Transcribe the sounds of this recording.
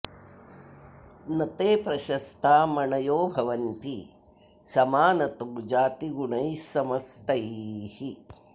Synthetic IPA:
nɐt̪eːpɾɐʃɐst̪ʰaːmɐɳɐjoːbʱɐʋɐnt̪i | sɐmaːnɐt̪oɡd͡ʒaːt̪iɡuɳɐjsɐmɐst̪ɐhi

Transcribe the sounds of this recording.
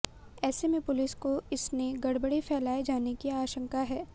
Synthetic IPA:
ɛːsemẽpʊlɪskoɪsneɡɐɽbəɽifʰɛːlaːed͡ʒaːnekiaːʃə̃ŋkaɦɛː

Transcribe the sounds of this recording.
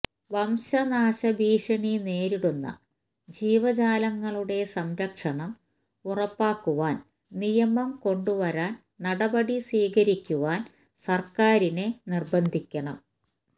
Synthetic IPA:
ʋɐmɕɐnaːɕɐbiːɕɐɳine̞ːɾiɽunːɐ̰ | d͡ʑiːʋɐd͡ʑaːlɐŋːɐɭuɽe̞sɐmɾɐkʂɐɳɐm | urɐpːaːkːuʋaːn | nijɐmɐmko̞ɳɖuʋɐɾaːn | nɐɽɐbɐɽisʋiːkɐɾikʲːuʋaːn | sɐrkaːɾinenirbɐnd̪ʱikʲːɐɳɐ̰m

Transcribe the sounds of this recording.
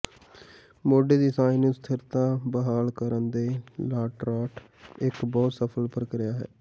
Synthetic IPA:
moːɖeːd̪iːsaːinũːst̪ʰɪɾt̪ãːbəɦaːlkəɾənd̪eːlaːʈɾaːʈ | ɪkbɔːt̪səpʰəlpəɾkəɾɪjaːɦɛ̰ː

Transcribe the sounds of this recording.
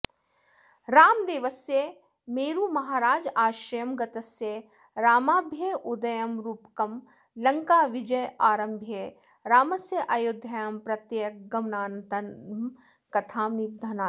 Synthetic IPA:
ɾaːmd̪eːʋɐsje | meːɾuːmɐɦaːɾaːd͡ʒaːʃɾɐjɐmɡɐt̪ɐsje | ɾaːmaːbʱjeʔʊd̪ɐjɐmɾuːpkɐm | lɐŋkaːʋɪd͡ʒɐjaːɾɐmbʱje | ɾaːmɐsjɐʔɐjud̪ʱjɐjaːmpɾɐt̪jek̚ɡɐmnaːnt̪ɐnm | kɐt̪ʰaːmib̚d̪ʱɐnaː

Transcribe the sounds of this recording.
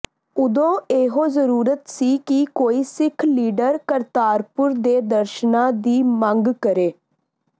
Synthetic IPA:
ʊd̪õːeːɦõːzəɾuːɾət̪siːkikoːiːsɪkʰliːɖəɾkəɾt̪aːɾpʊɾd̪eːd̪əɾʃnãːd̪iːməŋɡkəɾeː

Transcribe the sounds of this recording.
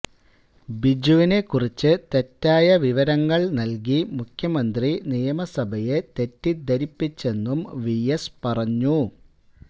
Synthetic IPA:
bid͡ʑuʋine̞kːurit͡ɕːɨt̪e̞tːaːjɐʋiʋɐɾɐŋːɐɭnɐlk̬imukʰjɐmɐnd̪rinijɐmɐsɐbʱɐje̞t̪e̞tːid̪ʱɐɾipːit͡ɕːe̞nːumʋijespɐrɐɲːu

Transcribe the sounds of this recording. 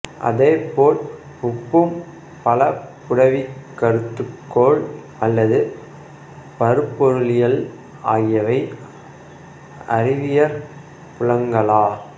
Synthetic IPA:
ʔɐ̰ðeːpoːʈ | pʊpːɯm | pɐlɐpʊɽɐʋikːɐɾɯt̪ːɯkːoːɭ | ɐlːɐðɯ | pɐɾɯpːɔɾɯlɪjɐl | aːɣɪjɐʋɐɪ | ɐɾɪʋɪjɐɾ | pʊɻɐŋɡɐlaː

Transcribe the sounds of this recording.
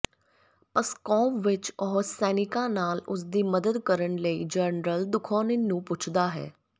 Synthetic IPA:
pəskɔːmʋɪt͡ʃɔːɦsɛːnɪkãːnaːlʊsd̪iːməd̪əd̪kəɾəɳləiːd͡ʒənɾəld̪ʊkʰõːninũːpʊt͡ʃʰd̪aːɦɛ̰ː

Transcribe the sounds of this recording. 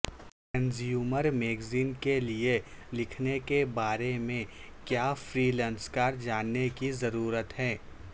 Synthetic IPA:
ʈɾɛ̃nzjuːməɾmeːɡziːnkelie | lɪkʰnekebaːɾemẽ | kjaːfɾiːlɛ̃ːnskaːɾd͡ʒaːnːekizɐɾuːɾət̪ɦɛː

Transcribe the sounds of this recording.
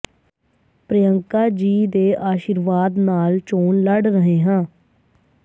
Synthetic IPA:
pɾəjəŋkaːd͡ʒiːd̪eːʔaːʃiːɾʋaːd̪naːlt͡ʃoːnləɖɾəɦeːɦãː

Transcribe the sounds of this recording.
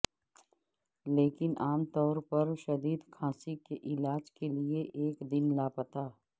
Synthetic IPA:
leːkɪnʔaːmt̪ɔːɾpɐɾʃɐd̪iːd̪kʰãːsikeʔɪlaːd͡ʒkelieʔeːkd̪ɪnlaːpət̪aː

